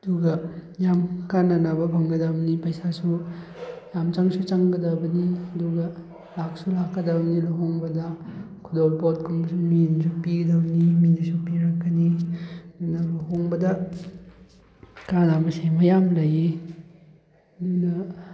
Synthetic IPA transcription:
ɐduɡɐjamkananabɐbʰʱɐŋɡɐdabnipɐjsasu | jamt͡ʃaŋsut͡ʃaŋɡɐdɐbɐniɐduɡɐ | laksulakːɐdabnilaɦoŋbɐdɐ | kʰudolpot̚kʰumbɐsuminsupiɡɐdabniminsupiɾakːɐnidunɐlɐɦoŋbɐdɐ | kanabɐsemɐjamlɐje | dunɐ

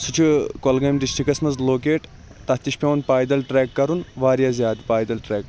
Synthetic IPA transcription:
sut͡ʃʰukolɡɐjmɖisʈikɐsmɐzloːkeːʈ | t̪ɐt̪iʃpʲeʋnpaːjd̪ɐlʈɾɛːkːɐɾunʋaːɾjaːzʲjaːd̪ipaːjd̪ɐlʈɾɛːk

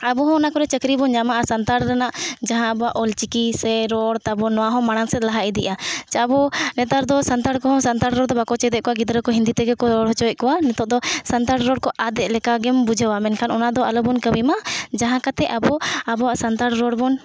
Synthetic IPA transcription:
abɔɦɔ̃ːnakɔɾɛt͡ʃəkɾibɔnɲamaʔasant̪aɾɾanaʔd͡ʒaɦãabɔaʔɔlt͡ʃikisɛɾɔɽt̪abɔnɔwaɦɔ̃maɽ̃aŋsɛt̪̚laɦaʔɛd̪iʔat͡ʃabɔnɛt̪aɾd̪ɔsant̪aɽkɔɦɔ̃sant̪aɽɾɔɾd̪ɔbakɔt͡ʃɛd̪ɛʔ̚kɔwaɡid̪ɾəkɔɦĩnd̪it̪ɛɡɛkɔɾɔɽɦɔt͡ʃɔɛc̪̚kɔwanɛt̪ɔʔd̪ɔsant̪aɽɾɔɽkɔʔad̪ɛʔlɛkaɡɛmbud͡ʒʱəwamɛnkʰanɔnad̪ɔalɔbɔnkəwimad͡ʒaɦãkat̪ɛʔabɔabɔaʔsant̪aɽɾɔɽbɔn

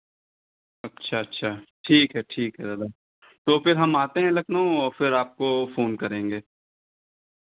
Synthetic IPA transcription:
ɐtːʃʰaːɐtːʃʰaːʈʰiːkɦɛʈʰiːkɦɛd̪ɐd̪aː | t̪oːfɪɾɦɐmaːt̪eɦɛ̃lɐknoõɔːɾfɪɾaːp̚kofoːnkɐɾẽːŋɡeː

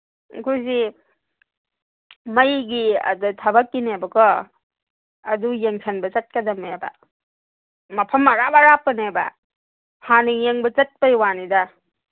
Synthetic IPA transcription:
kʰuzi | mɐjɡiɐ̰dɔtʰɐbɐkːinebɐkʰɔ | ɐdujeŋsʰanbɐt͡ʃɐt̚kɐdɐmeba̰ | mɐpʰɐmaɾabaɾapːɐneba̰ | haniŋjeŋbɐt͡ʃɐt̚pajwanida

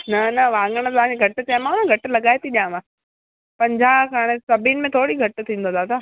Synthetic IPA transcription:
nɐnɐʋãːŋɡəɽ̃t̪ɐʋ̤ãːd͡ʑeɡʱɐʈʊ̆t͡ɕaːɪmãʊnãɡʱɐʈʊ̆lɐɠaːet̪ʰiɗijãːmãː | pɐ̃ɲd͡ʑakaːɽ̃esɐbʱinɪmẽt̪ʰoːɽiɡʱɐʈɪ̆t̪ʰĩːnd̪od̪aːd̪aː

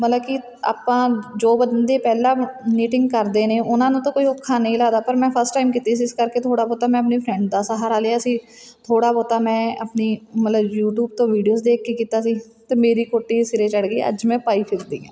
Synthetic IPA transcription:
mət̪ləbkɪ | a̰ːpãːd͡ʒoːbəd̪nd̪eːpɛːlaːniːʈɪ̃ŋɡkəɾd̪eːneːʊnãːnũːt̪õːkoːiːʊkʰːaːnəĩːlaːd̪aːpəɾmɛ̃ːpʰəɾsʈaːɪmkiːt̪iːs̬iɪskəɾkeːt̪ʰoːɽaːboːt̪aːmɛ̃ːəp̬niːpʰɾɛ̃ːɳɖd̪aːsəɦaːɾaːleːaːsiː | t̪ʰoːɽaːboːt̪aːmɛ̃ːəpniːmət̪ləbjuːʈjuːbt̪õːʋiːɖijoːsd̪eːkʰkekiːt̪aːsiː | t̪eːmeːɾiːkoːʈːiːsɪɾeːt͡ʃəɽɡəɪ̰ə̰d͡ʒmɛ̃ːpaːiːpʰɪɾd̪ḭːɛ̰̃ː

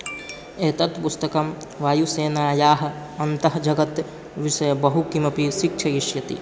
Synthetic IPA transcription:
eːt̪ɐt̪pust̪ɐkɐm | ʋaːjuseːnaːjaːɦ̆ | ɐnt̪ɐɦd͡ʒɐɡɐt̪ | ʋɪʃɐjbɐɦukimɐpiʃɪk̚t͡ʃʰɐjɪʃjɐt̪ḭ

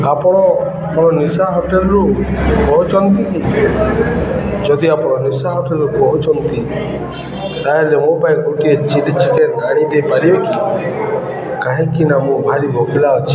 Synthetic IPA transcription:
apɔɽ̃ɔ | mɔɾɔnisaɦɔʈelɔɾuɡɔut͡ʃɔnt̪iki | d͡ʒɔd̪iapɔɽ̃ɔnisaɦɔʈelɔɾuɡɔut͡ʃɔnt̪i | t̪aɦelemopajkoʈiet͡ʃidit͡ʃʰikenaɽ̃id̪ejpaɾibeki | kaɦĩkinamũbʱaɾibʱɔkilaɔt͡ʃʰi̥

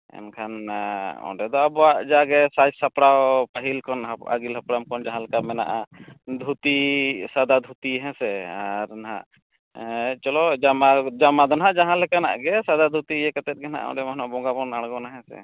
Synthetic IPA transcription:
ɛ̰nkʰanɔ̰̃ɖɛd̪ɔabɔwaʔd͡ʒaɡɛsad͡ʒsapɽawpaɦilkɔnaa̰ɡilɦapɽamkɔnd͡ʒaɦãlɛkamɛna̰ʔad̪ʱut̪isad̪ad̪ʱut̪iɦɛ̃sɛaɾnaɦa̰ʔ | t͡ʃɔlɔd͡ʒamad͡ʒamad̪ɔnaɦaʔd͡ʒaɦãlɛkana̰ʔɡɛsad̪ad̪ʱut̪iɛkɛt̪ɛt̪̚ɡɛna̰ʔɔ̰ɖɛmaɦnɔabɔŋɡabɔnaɽɡɔnaɦɛ̃sɛ̰

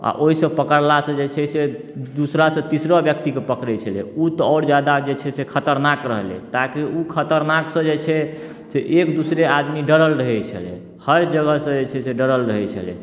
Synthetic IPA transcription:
a̰ʔoɦisə̃pəkəɾlasə̃d͡ʒet͡ʃʰɛse | d̪usɾasə̃t̪isɾɔbjəkt̪ikepəkɾɛt͡ʃʰəlɛ̰ut̪ɔɔːɾd͡ʒjad̪ad͡ʒet͡ʃʰɛsekʰət̪əɾnakɾə̰ɦlḛt̪akiukʰət̪əɾnaksə̃d͡ʒet͡ʃʰɛ | seʔekd̪usɾead̪miɖəɾəlɾəɦɛt͡ʃʰə̰lɛ̰ | həɾd͡ʒəɡəsə̃d͡ʒet͡ʃʰɛseɖəɾəlɾəɦɛt͡ʃʰə̰lɛ̰

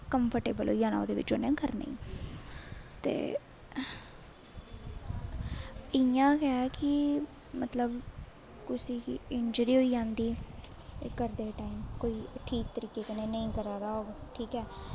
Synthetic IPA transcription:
kəmpʰəɾʈeːbəlɦoːiːd͡ʒãːnã̰ːo̰ːd̪eːʋɪ̰t͡ʃoːnẽːkəɾnḛḭ̃ː | t̪ḛː | əjãːkɛaːkɪ | mət̪ləb | kʊsiːkiɪnd͡ʒəɾiːɦoːiːd͡ʒãːnd̪iː | t̪eːɡəɾd̪eːʈaːimkoːiːʈʰiːk̚t̪əɾiːkeːkəneːnəĩːkəɾaːd̪aːɦoːɡʈʰiːkɛː

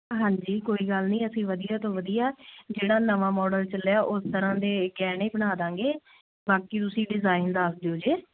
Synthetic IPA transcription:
ɦãːɲd͡ʒiːkoːiːɡəlnĩːəsĩːʋəd̪ijaːt̪õːʋəd̪ijaːd͡ʒeːɽaːnəʋãːmɔːɖəlt͡ʃəlːjaːʔʊst̪əɾãːd̪eːɡɛːnẽːbəɽ̃aːd̪ãːŋɡeː | baːkiːt̪ʊsĩːɖɪzaːɪnd̪asd̪eoːd͡ʒeː

